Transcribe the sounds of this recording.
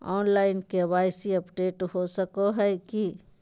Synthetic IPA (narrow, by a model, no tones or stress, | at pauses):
ɔ̰ːnlaːɪnkebaːjsiəpɖeːʈɦosəkoɦɛki